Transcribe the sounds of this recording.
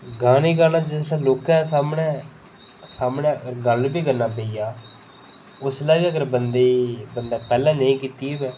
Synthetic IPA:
ɡaːniːɡaːnaːd͡ʒɪslãːloːkãːsaːmɳɛ̃ː | saːmɳẽːəɡəɾɡəlbiːɡəɾnːaːpeːiːjaː | ʊslaːbiːəɡəɾbənd̪eːbənd̪aːpɛːlãːnəĩːkiːt̪iːʋɛː

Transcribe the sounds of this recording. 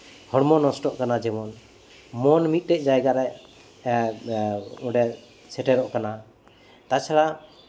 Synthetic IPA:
hɔɽmɔnɔsʈɔʔkanad͡ʒɛmɔn | mɔnmit̪̚ˀɾɛʔ̚d͡ʒajɡaɾɛj | uɖɛ | sʰɛʈɛɾɔʔkana | t̪at͡ʃʰaɽa

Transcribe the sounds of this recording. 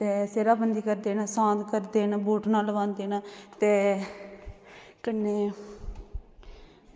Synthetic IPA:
t̪eːseːɾaːbənd̪iːkəɾd̪eːnaːsãːd̪kəɾd̪eːnaːboːʈnaːlʋãːnd̪eːnaːt̪eː | kənːeː

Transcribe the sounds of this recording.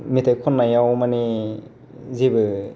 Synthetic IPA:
mitʰajkʰɔnːajawmani | zibɯ

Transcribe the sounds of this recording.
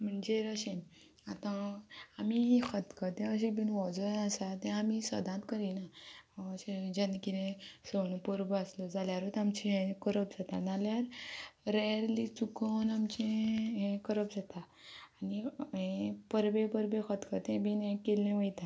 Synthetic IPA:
m̤əɳd͡zeɾəɕẽ | at̪ãamiɦẽkʰət̪kət̪ɛ̃əɕ̬ebinʋɔd͡zəasat̪ɛ̃amisə̰d̪ʱãt̪kəɾinaɕed͡ʑənkiɾẽsənpəɾbaslɔd͡zaljaɾot̪amt͡ɕiɦẽkəɾəp̚d͡zat̪analjaɾɾeɾlit͡sukɔnamt͡ɕẽɦẽkəɾəp̚d͡zat̪aː | niɦẽpəɾbẽpəɾbẽkʰət̪kət̪ɛ̃bʱinẽkelːẽʋəjt̪a

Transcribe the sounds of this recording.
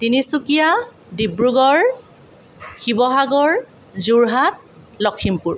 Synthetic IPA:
tinisukija | dibɹuɡɔɹ | xibɔɦaɡɔɹ | zuɹɦat̚ | lɔkʰːimpuɹ

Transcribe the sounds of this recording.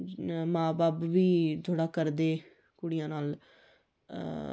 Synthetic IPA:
mãːbaːpʋiːt̪ʰoːɽaːkəɾd̪eː | kʊɽɪjãːnaːl

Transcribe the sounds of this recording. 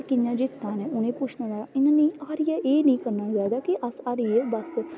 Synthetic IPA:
kɪɲãːd͡ʒɪt̪ʰːãːnẽːʔʊnẽːpʊt͡ʃʰnanaːɪnãːnĩːaːɾɪjaːʔeːnĩːkəɾnaːd͡ʒaːd̪aːkiʔəsaːɾijeːbəs

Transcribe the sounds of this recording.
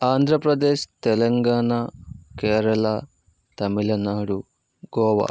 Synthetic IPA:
aːnd̪ʱɾɐpɾɐd̪eːʃt̪ɛlɐŋɡaːɳakeːɾɐlɐ | t̪ɐmilɐnaːɽu | ɡɔːʋa̰

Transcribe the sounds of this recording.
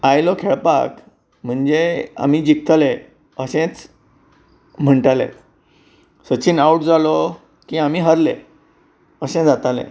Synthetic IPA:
ajlɔkʰeɭpa̰k | m̤əɳd͡zea̰miːd͡ʑik̚t̪ale | əsẽt͡s | m̤əɳʈalḛ̃t̪ | sət͡ɕiːnauʈ̚d͡zalɔ | kĩamiːɦəɾlḛ | əsẽd͡zat̪alḛ̃

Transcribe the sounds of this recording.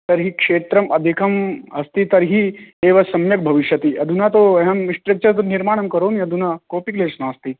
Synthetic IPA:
t̪əɾɦiːkʂeːt̪ɾɐmɐd̪ʱikʰɐmɐst̪iːt̪ɐɾɦiːeʋasɐmjɐk̚bʱɐʋiʂjɐt̪iːʔɐd̪ʱunat̪oɦamːiʂʈɾek̚t͡ɕɐt̪oniɾmaːɳ̃ɐmkəɾoːniɐd̪ʱunakoːpikleːsnaɐst̪iː

